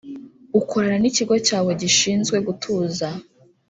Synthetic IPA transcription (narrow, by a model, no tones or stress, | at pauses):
ukʰoɾaɾaniciɡo̞caːwe̞ɟiʃiːnzɡwe̞ɡutʰuːza